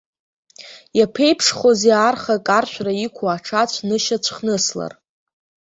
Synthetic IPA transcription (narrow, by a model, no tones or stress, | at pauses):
japʰe̞jpʰʂχozearχakʼarʃᶣʷraikʷʰaaʈ͡ʂʰat͡ɕʷʰnɨʃat͡ɕʷʰχnɨsla̰r